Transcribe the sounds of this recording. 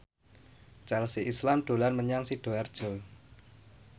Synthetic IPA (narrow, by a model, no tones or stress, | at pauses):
t͡ʃalsiʔislamd̪̥o̤lanməɲaŋsid̥o̤ard̥ʒ̥o̤